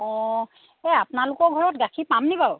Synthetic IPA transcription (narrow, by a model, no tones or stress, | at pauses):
ɔ̃ | ɛapnalʊkɔɡʱɔɹɔtɡakʰipamnibaw